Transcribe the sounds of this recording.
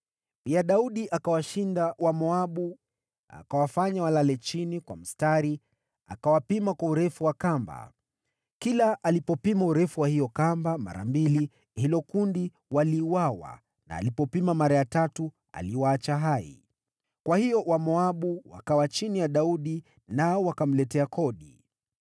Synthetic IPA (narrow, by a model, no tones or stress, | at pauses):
piaɗauɗiʔakawaʃindawamɔaɓu | a̰kawafaɲawalalɛt͡ʃinikwa̰m̩staɾi | a̰kawapimakwauɾɛfuwakamba̰ | kilaʔːlipɔpimauɾɛfuwahijɔkambama̰ɾa̰mbili | hilɔkundi | waliːwawa̰ | na̰ːlipɔpimamaɾajatatu | a̰liwaːt͡ʃaɦaḭ | kwahijɔwamɔaɓuwa̰kawat͡ʃinijaɗauɗi | naɔwakam̩lɛtɛakʰɔɗi